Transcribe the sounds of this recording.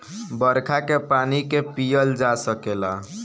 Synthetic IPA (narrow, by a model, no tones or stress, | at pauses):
bəɾkʰakepanikepijəld͡ʒasəkela